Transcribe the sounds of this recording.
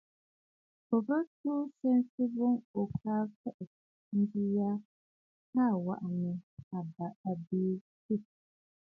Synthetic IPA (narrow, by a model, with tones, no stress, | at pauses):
pɔ˨bə˦tuː˦sɛ˦nsi˦bo˦ŋo˨kaː˦fɛ˦ʔɛ˨ | n̩˦di˦ja˦ | a˦˨wa̰˨ʔa˨ni˨a˨ba˨a˨beː˦ | ti˦˨